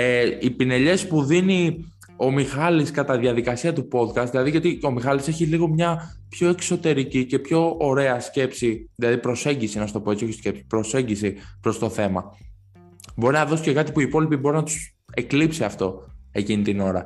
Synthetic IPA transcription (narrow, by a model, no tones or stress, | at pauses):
eipine̞ʎe̞spuðini | o̞mixɐliskɐt̪ɐðjɐðikɐsiɐt̪upo̞d̪kɐst̪ðilɐðiʝɐt̪io̞mixɐlise̞çiliɣo̞mɲɐpço̞ekso̞t̪e̞ɾicice̞pço̞ːɾe̞ɐsce̞psiðilɐðipɾo̞se̞ɲɟisinɐst̪o̞po̞e̞t͡sio̞çi̥sce̞psi̥pɾo̞se̞ɲɟisipɾo̞st̪o̞θe̞mɐ̰ | bo̞ɾinɐðo̞sice̞kɐt̪ipuiːpo̞lipibo̞ɾinɐt̪u̥s | e̞klipsiɐft̪o̞e̞cinit̪ino̞ɾɐ̰